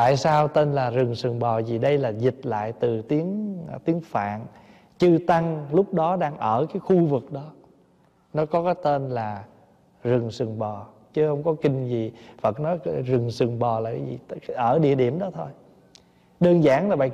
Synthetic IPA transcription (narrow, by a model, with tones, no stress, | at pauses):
t̪a̰ː˧˨jsaː˧wt̪e˧nlaː˨˩zɨ˨˩ŋsɨ˨˩əŋɓɔ˨˩zi˨˩ɗə˧jlaː˨˩zi˨˩t̚la̰ː˧˨jt̪ɨ˨˩t̪i˨˦əŋt̪i˨˦əŋfa̰ː˧˨n | t͡ɕɨ˧t̪a˧ŋlʊ˦˥k͡p̚ɗɔ˨˦ɗaː˧ŋʔəː˧˩kaː˨˦jxu˧vɨ˨˩k̚ɗɔ˨˦ | nɔ˨˦kɔ˨˦kaː˨˦jt̪e˧nlaː˨˩ | zɨ˨˩ŋsɨ˨˩ŋɓɔ˨˩ | t͡ɕɨ˨˦hə˧wŋ͡mkɔ˨˦kï˧ŋ̟zi˨˩fə˨˩t̚nɔ˨˦jzɨ˨˩ŋsɨ˨˩ŋɓɔ˨˩laː˨˩kaː˨˦zḭ˨˩˨ʔəː˧˩ɗḭ˧˨əɗi˧˩əmɗɔ˨˦t̪ʰo˧j | ɗəː˧nzaː˧˩ŋlaː˨˩ɓa̰ː˨